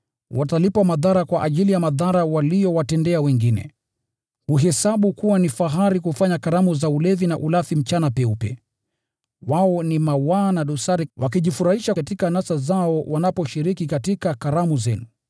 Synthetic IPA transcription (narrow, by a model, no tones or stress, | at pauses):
watalipamaðaɾakwaʔaʄilijamaðaɾawalijɔwatɛndɛawɛŋɡinɛ̰ | uɦɛsaɓukuwanifaɦaɾikufaɲakaɾamuzaulɛvinaʔulafim̩t͡ʃanapɛupɛ̰ | waɔnimawanaɗusaɾiwakiʄifuɾahiʃaatikanasazaɔwanapɔʃiɾikikatikakaɾamuzɛnu